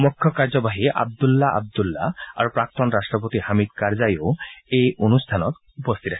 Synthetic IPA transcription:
mukʰːjɔkaɹzɔbaɦiʔa̰b̚d̪ulːaʔa̰b̚d̪ulːa̰a̰ɹupɹak̚t̪ɔnɹastɹɔp̬ot̪ihamid̪̚kaɹzajoejʔonust̪ʰanɔt̪ | upɔst̪ʰit̪a

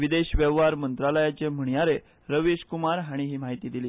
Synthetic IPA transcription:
ʋid̪eɕʋeʋaɾmənt̪ɾaləjat͡ɕem̤əɳ̃jaɾe | ɾəʋiɕkumaɾɦaɽ̃iɦiːmaɦit̪iːd̪iliː

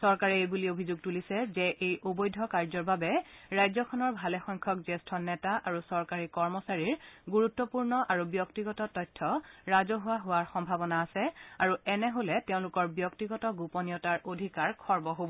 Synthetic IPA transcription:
sɔɹkaɹɛebuliobʱizuɡ̚tulisɛzɛʔejʔobɔjdʱɔkaɹzɔɹbabɛɹajzɔkʰɔnɔɹbʱalɛxɔŋkʰɔkzestʰɔnɛtaʔaɹusɔɹkaɹikɔɹmɔsaɹiɹɡuɹutːɔpuɹnɔʔaɹubjɔktiɡɔtɔtɔjtʰːɔɹazɔɦʊwaɦʊwaɹxɔmbʱabɔnaːsɛaɹuɛnɛɦolɛteʊ̃lʊkɔɹbjɔktiɡɔtɔɡupɔnijɔtaɹʔodʱikaɹkʰɔɹbɔɦobɔ

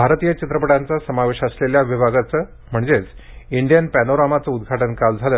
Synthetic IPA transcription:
bʱaɾt̪ijət͡ɕit̪ɾəpəɽant͡sasəmaʋeɕəsleljaʋibʱaɡat͡sə | m̤əɳd͡zet͡siɳɖijənpænoɾamat͡səud̪ɡʱaʈənkald͡zʱalə

